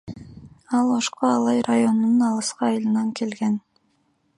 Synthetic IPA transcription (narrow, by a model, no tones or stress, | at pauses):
ɑlˠoʃqoɑlˠɑjɾajo̞nununɑlˠɯsqɑːjlˠɯnɑŋkʰe̞lɡen